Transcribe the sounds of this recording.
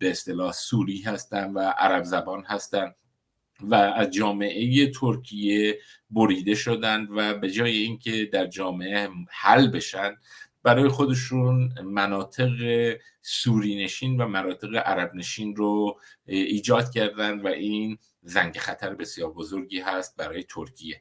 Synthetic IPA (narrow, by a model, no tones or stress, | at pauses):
b̥e̞est̪e̞lɒːhsuːɾiːhæst̪ænd̪væʔæɾæbzæbɒːnɦæst̪ænd̪ | væːzd͡ʒɒːme̞ʔe̞je̞t̪ʰoɾcʰije̞ | boɾiːd̪e̞ʃo̞d̪ænd̪væbe̞d͡ʒɒːje̞iːŋkʰe̞d̪æɾd͡ʒɒːme̞ʔehælbe̞ʃænd̪bæɾɒːje̞xo̞d̪e̞ʃunmænɒːt̪ʰe̞ɣe | suːɾiːne̞ʃiːnvæmæɾɒːt̪ʰe̞ɣe̞ʔæɾæbne̞ʃiːnro | iːd͡ʒɒːd̪̥cʰæɾd̪ænd̪væʔiːn | zæŋɟexæt̪ʰæɾebe̞sijɒːɾbo̞zo̞ɾɟiːɦæst̪̚bæɾɒːje̞t̪ʰoɾcʰije̞